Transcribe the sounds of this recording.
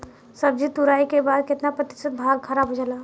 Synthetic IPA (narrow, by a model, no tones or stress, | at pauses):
səb̚d͡ʒit̪uɾaikebad̪̚kɪt̪napɾət̪ɪ̥sət̪̚bʱalkʰaɾabʱɦod͡ʒəla